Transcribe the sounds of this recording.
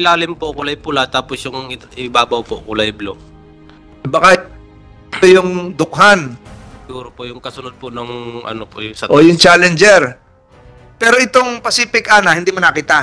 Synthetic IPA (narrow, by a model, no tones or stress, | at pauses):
ɪlaːlɪmpoʔkʊlɐjpʊlat̪aːposjʊŋʔɪbaːbɐwpoʔkʊlɐjblo | bɐka | ojʊŋd̪ʊk̚ɦanɡuːɾopoʔjʊŋkɐsʊnod̪̚ponɐŋʔɐ̰nopo̰ʔjʊŋsɐʔojʊŋt͡ʃaːlɛnd͡ʒɛɾ | pɛːɾo̞ʔɪt̪oŋpɐsiːpɪkʔanɐhɪnd̪imʊnɐkiːt̪a